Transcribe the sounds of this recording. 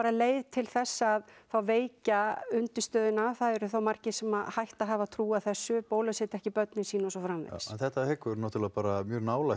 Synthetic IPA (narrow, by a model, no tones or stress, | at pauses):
paːɾaleːjðt̪ʰɪlθɛsːaːðθawveːjcaʏnt̪ɪst̪œːðɪnaːvθaðɛɾʏθawmar̥cɪsɛmaðhajht̪aɦavat̪ʰɾuːaθɛsːʏpoːwlasɛːt̪ɛhcɪpœt̪nɪsiːnɔsɔfɾamvḛsɛnθɛht̪ahɛkʏɾnaːt̪ʰɪlaðpaːɾamjœːɾnaːwlaj